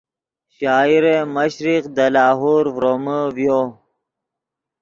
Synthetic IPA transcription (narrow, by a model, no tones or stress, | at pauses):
ɕaːiɾeməɕɾiqd̪ɐlaːɦuːɾvɾoməvjo